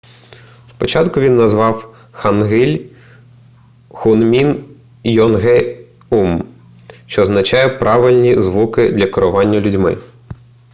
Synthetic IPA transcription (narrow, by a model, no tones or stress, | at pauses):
spɔt͡ʃɑt̪kʊʋʲinːɐzʋɑw | xɐnɦɪlʲ | xʊnmʲin | jɔnɦɛ | um | ʃt͡ʃɔːznɐt͡ʃɑjɛpɾɑʋɪlʲnʲizʋukɪd̪lʲɐkɔɾʊʋɑnʲːɐlʲʊdʲmɪ̰